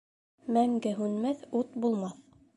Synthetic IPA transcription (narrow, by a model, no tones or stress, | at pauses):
mæŋɡɘɦʉnmæθut̪bulˠmɑθ